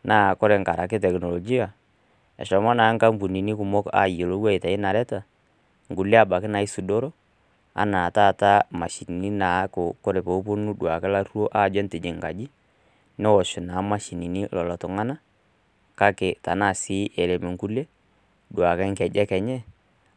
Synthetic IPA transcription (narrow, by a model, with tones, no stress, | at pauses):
naː˨˦˨kɔ˦ɾɛ˨ŋka˨ɾa˨kɪ˦tɛ˨knɔ˨lo˨d͡ʒi˦a˨ | ɛ̰˨ʃɔ˨mɔ˦naː˨˦ŋka˦m˦bu˨ni˨ni˦kʊ˨mɔ˦ka̰˨je˨lo˦wa˦i˨ta˨i˦na˨lɛ˦ta˨ | ŋɡu˨le˦a˦˨ba˨kɪ˦na˨i˦su˨do˦ɾo˦ | a̰˦na˨ta˦˨ta˦ma˨ʃi˨n˨ni˦na˨˦kʊ˨kɔ˦ɾɛ˨po˨u˦po˦nu˦dwa˨kɛ˦la˦ɾu˦o˦ʔa˦˨d͡ʒɛ˦nte˨d͡ʒi˨ŋɡa̰˨d͡ʒi˦ | nɛ˦wɔ˨ʃʊ˨na˨˦ma˦ʃi˨ni˨ni˦lɔ˨lɔ˨tɔ˨ŋa˦na˦ | ka˦kɪ˨ta˨˦na˦˨si˦ʔe˨le˨me˨ŋɡu˦le˦ | dwa˨kɛ˦ŋ˦kɛ˨d͡ʒɛ˦kɛ˨ɲɛ˦